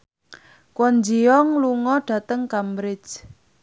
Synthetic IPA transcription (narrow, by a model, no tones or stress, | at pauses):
kwɔnd͡ʒiɔŋluŋɔɖ̥ä̤t̪əŋkambɾɪ̥d͡ʒ